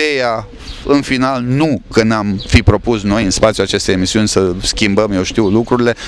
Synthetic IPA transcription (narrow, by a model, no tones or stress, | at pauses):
eja | ɨnfinalnukənamfipɾo̞pusno̞jɨnspat̪sʲjuat͡ʃe̞st̪e̞jemisiunʲsəskʲimbəmjewʃt̪iwlukɾuɾile̞